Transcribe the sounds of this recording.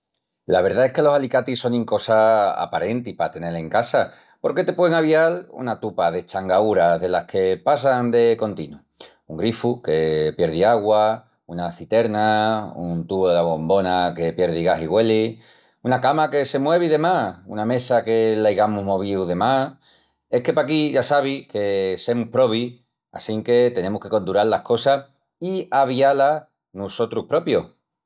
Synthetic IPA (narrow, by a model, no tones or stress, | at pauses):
laβe̞ɾðae̞hke̞lo̞salikat̪iso̞ŋĩŋko̞saa̰paɾe̞nt̪ipat̪e̞ne̞le̞ŋkasa | po̞ɾke̞t̪e̞pweeŋaβialṵnat̪upaðe̞t͡ʃaŋɡauɾaðe̞lahkʰe̞pas̬and̪e̞ko̞nt̪inu | uŋɡɾifuke̞pje̞ɾðiaɣwa | unaθit̪e̞ɾnaunt̪uβoðelaβo̞mbo̞nake̞pje̞ɾðiɣaɦiɣwe̞li | unakamake̞se̞mwe̞βiðe̞maṵname̞sake̞laiɣamuɦmo̞β̞iwðe̞ma | e̞hke̞pak̬iʝasaβ̞ike̞se̞muhpɾo̞β̞i | a̰siŋke̞t̪e̞nẽ̞muhke̞ko̞nd̪uɾallahko̞sa | iaβ̞iala | nuso̞t̪ɾuhpɾo̞pjo̞̰